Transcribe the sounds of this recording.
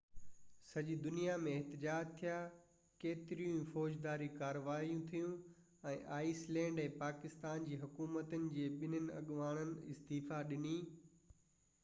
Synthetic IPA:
sɐʄid̪ʊnijamẽːɦt̪ɪd͡ʑaːd͡ʑt̪ʰija | keːt̪ɪɾijũfɔːd͡ʑd̪aːɾikaːɾəʋaːijũt̪ʰijũ | ɛ̃ːʔaːislɛ̃ːɳɖɛ̃ːpaːkɪst̪aːnd͡ʑiːɦʊkuːmət̪ənɪ̆d͡ʑeːɓɪnənɪ̆ɐ̰ɠʋaːɽ̃ənɪ̆ɪst̪iːfaɗɪniː

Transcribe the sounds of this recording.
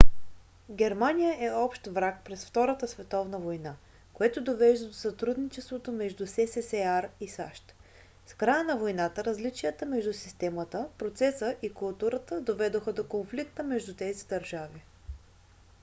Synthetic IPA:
ɡʲɛɾmanʲijəʔɛɔpʃt̪vɾak̚pɾɛsft̪ɔɾət̪əsvɛt̪ɔvnəvojna | koɛt̪od̪ovɛʒd̪əd̪osɐt̪ɾud̪nit͡ʃɛst̪vot̪omɛʒd̪usɛsɛsɛaɾisa̰ʃt̪ | skɾajənɐvojnat̪əɾəzlit͡ʃijət̪əmɛʒd̪usi̥st̪ɛmət̪əpɾot̪sɛsəʔikulˠt̪uɾət̪əd̪ovɛd̪oxəd̪okonflik̚t̪əmɛʒd̪ut̪ɛzid̪ɐɾʒavi

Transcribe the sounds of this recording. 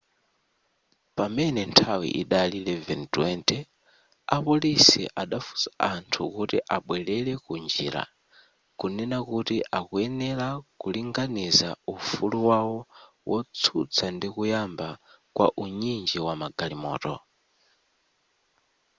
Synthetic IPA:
pamɛnɛntʰawḭʔḭɗalilɛvɛntwɛntɛ | apulisḭʔaɗafu̥saʔantʰukutiʔaɓwɛlɛlɛkund͡ʒḭːɾa̰ | kunɛnakutiʔakuɛnɛlakuliŋɡaniza̰ufuluwawɔ | wɔt͡sʰut͡sʰandikujamba | kwa̰ʔuɲind͡ʒiwamaɡalimɔ̰ːtɔ

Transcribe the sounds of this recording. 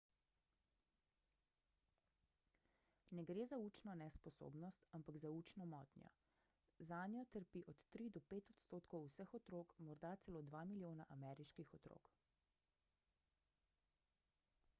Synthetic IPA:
nɛɡɾeːzauːt͡ʃnɔnɛspɔso̰ːbnɔst̪ampaɡzauːt͡ʃnɔmɔːt̪njɔ̰ | zaːnjɔt̪əɾpiʔɔt̪ːɾid̪ɔpeːt̪ɔt̪st̪oːt̪kɔwsəxɔt̪ɾoːkmɔɾd̪at̪sɛloːd̪ʋaːmiljoːnaʔamɛːɾiʃkixɔt̪ɾo̰ːk

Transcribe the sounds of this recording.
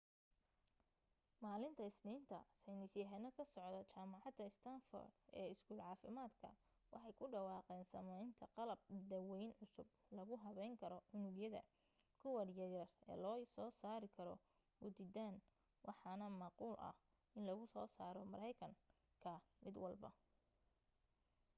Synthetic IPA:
maːlɪnt̪ʰɐɪsniːnt̪ʰɐ̰sɐjnɪsjɐɦɛnɐkʰɐsɔʕd̪ɐt͡ʃaːmɑʕɑd̪ɐɪst̪ʰanfɔ̰ːrɛːɪskuːlʕɑːfɪmaːd̪kʰɐ̰ | wʔɑħɑjkʰʊɖɑwɑːqɛːnsɐmɛjnt̪ʰɐqɑlɐb̚d̪ɐwɛjnʕʊsʊb | lɐɣʊɦɐβɛjŋkʰɐɾɔʕʊnʊɡjɐðɐ̰ | kʰʊwɐrjɐjɐrɛ̰ːlɔːsɔːsaːɾɪkʰɐɾɔ̰ | hʊd̪ɪd̪aːn | wɑħɑnɐmɑquːlʔɐ̰h | ɪnlɐɣʊsɔːsaːɾɔmɐɾɛjkʰɐŋ | kʰɐmɪd̪wɑlbɐ̰

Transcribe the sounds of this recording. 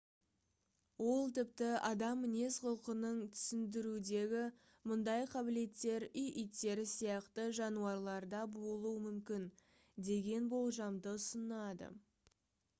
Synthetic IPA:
wo̞lˠt̪ɪp̚t̪ɪɑd̪ɑmːɪne̞sqʰʊlˠqənəɴt̪ʰʏ̥sɪnd̪ɪɾud̪e̞ɡʲɪ | mʊnd̪ɑjqʰɑbɪle̞t̪ːe̞ɾijʔijt̪ːe̞ɾɪsijɑqt̪əʒɑnuɑɾlˠɑɾd̪ɑbo̞lˠuəmʏmkʲɪn | d̪e̞ɡʲe̞nbo̞lˠʒɑmd̪əʊsənɑd̪ə̰

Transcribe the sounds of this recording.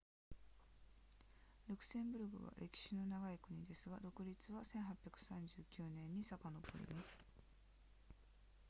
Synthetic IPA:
ɾɯ̟kɯ̟̥sẽ̞mbɯ̟ɾɯ̟ɡɯ̟̰βa̰ɾʔe̞kʲi̥ɕino̞naɡaikɯ̟ɲ̟id̪e̞sɨɡad̪o̞kɯ̟ɾʲit͡sɨβasẽ̞ɰ̃ɦapʲːjakɯ̟̥sãɲ̟d͡ʑɨːkʲɯːnẽ̞ɲ̟ːisakano̞bo̞̰ɾʲḭmasɨ̥

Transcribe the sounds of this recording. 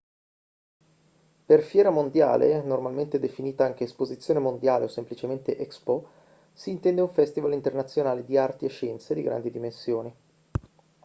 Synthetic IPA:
perfjɛːɾamond̪ja̰ːlḛnormalment̪ed̪efiniːt̪aaŋk̟eːspozit̪sːjoːnemond̪jaːlḛosemplit͡ʃement̪eʔɛkspo | siːnt̪ɛnd̪euɱfɛst̪ivalint̪ernat̪sːjonaːled̪iart̪ieʃːɛnt̪sed̪iɡɾa̰nd̪id̪imensjoːni

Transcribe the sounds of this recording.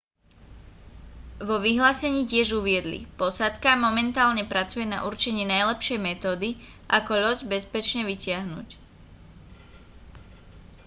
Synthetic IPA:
ʋɔʋiɦlaːsɛɲiːcɪɛʒuʋɪɛd̪lḭpɔsat̪kamɔmɛnt̪aːlɲɛpɾat͡sujɛna̰ʔuɾt͡ʃɛɲɪiːnajlɛpʃɪɛjmɛt̪ɔːd̪i | ʔakɔʎɔɟbɛspɛt͡ʃɲɛʋicɪaɦnṵc

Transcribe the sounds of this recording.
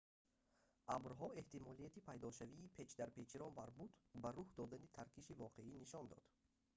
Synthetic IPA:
ʔabɾɦɔe̞ht̪imɔlijat̪ipʰajd̪ɔʃaviːpʰe̞t͡ʃd̪aɾpet͡ʃʰiɾɔnbaɾbut̪baɾuhd̪ɔd̪anit̪ʰaɾkʰiʃivɔqʰe̞iniʃɔnd̪ɔ̰d̪̥

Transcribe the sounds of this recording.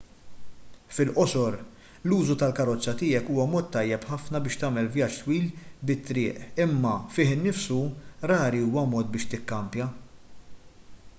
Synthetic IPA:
fɪlʔɔsɔɾ | luːzut̪ɐlkɐɾɔt͡sːɐt̪ɪːjɛkuːwɐmɔːt̪ːɐjːɛpħɐfnɐbɪːʃt̪ɐːmɛlvjɐt͡ʃt̪wiːlbɪt̪ːɾɪːʔɪmːɐfɪːħɪnːɪfsuɾɐːɾiuːwɐmɔːt̪̚bɪːʃt̪ɪkːɐmpjɐ

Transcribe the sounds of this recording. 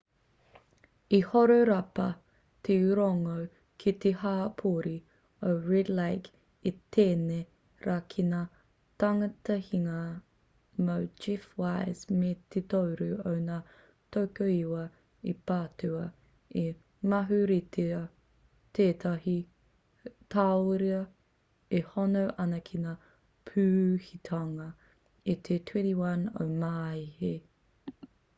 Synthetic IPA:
ihoɾoɾɐpɐ | t̪ʰeʉɾoŋow | kʰit̪ehaːpʰoːɾi | oɹɛdlajk | it̪eːne | ɾaːkʰinaː | tɐŋɐtɐhiŋɐ | mowd͡ʒifwaɪzmet̪ʰet̪owɾʉownaː | tʰowkoiwɐ | ipaːtʉɐ | e | mɐɦʉɾitʰe | tʰeːtɐɦi | tʰaoɾiɐ | ehonowʔɐnɐkʰinaː | pʰʉːhitʰaŋɐ | it̪ʰetʰwɛ̃ntiwɐno̰wmaːihe

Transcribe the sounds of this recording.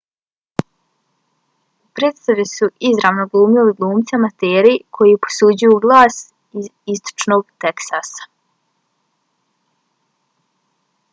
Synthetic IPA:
upɾeːt̪st̪aʋisuʔizɾaʋnoɡlˠuːmiliɡlˠuːmt̪samat̪eːɾikʰo̞jipo̥suːd͡ʑujuɡlˠaːs | izist̪o̥t͡ʃno̞ɡt̪eksasḁ

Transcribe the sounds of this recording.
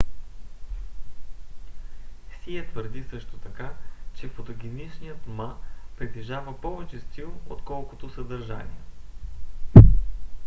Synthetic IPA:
siɛt̪vəɾd̪isɤʃt̪ot̪ɐkat͡ʃɛfot̪oɡʲinit͡ʃnijət̪mapɾit̪ɛʒavəpɔvɛt͡ʃɛst̪ilˠot̪kɔlˠkot̪osəd̪əɾʒa̰nḭə

